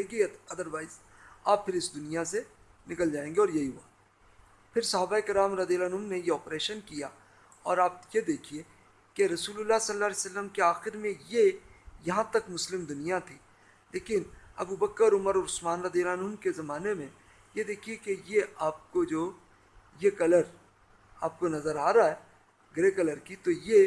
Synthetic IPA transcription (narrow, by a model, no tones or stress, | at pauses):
eɡit̪ɐd̪əɾʋaːɪz | aːppʰɪɾɪsd̪ʊnijase | nɪkəld͡ʒaːẽːɡeɔːɾjɐɦiɦʊa̰ː | pʰɪɾsɐɦaːbaeːkɪɾaːmɾɐd̪ijəlːnʊmnejeɔːpɾeːʃənkija | ɔːɾaːp̚jed̪eːkʰie | keɾɐsuːlʊlːasɐlːaːlesəlːəmkeaːxɪɾmẽjejɐɦãt̪ɐkmʊslɪmd̪ʊnijat̪ʰiː | leːkɪnɐbubəkːəɾʊməɾʊsmaːnɾɐd̪ijəlanɦʊmkezɐmaːnemẽ | jed̪eːkʰiekejeaːp̚kod͡ʒoː | jekɐləɾ | aːp̚konɐzəɾaːɾaɛ | ɡɾekɐləɾkit̪oje